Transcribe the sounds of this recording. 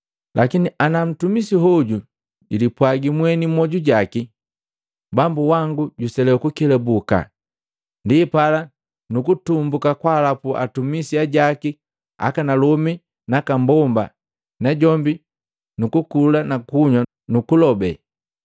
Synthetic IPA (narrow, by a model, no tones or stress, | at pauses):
lʔakiniʔanam̩tumisiɦɔɟu | ɟilipwaɡimwɛnimwɔɟuɟaki | bambuwaŋɡuɟusɛlɛukukɛlɛbuka̰ | ndipala | nukutumbukakwalapua̰tumisiaɟaki | a̰kanalɔmi | nakambɔmba̰ | naɟɔmbi | nukukulanakuɲwa | nukulɔbɛ̰